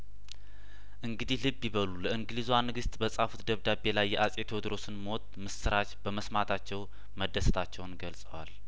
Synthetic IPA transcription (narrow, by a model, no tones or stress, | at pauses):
ʔɨŋɡɨd̪ihlɨbːjiβəluləɨŋɡɨlizwanɨɡɨst̪bəsʼafut̪d̪əβd̪abe̞lajːɛʔasʼet̪ʰod̪ɾo̞sɨnmo̞t̪̚mɨsɨɾat͡ʃb̥əməsmat̪ʰat͡ʃːɛw | məd̪ːəsət̪ʰat͡ʃːɛwnɡəlsʼəwal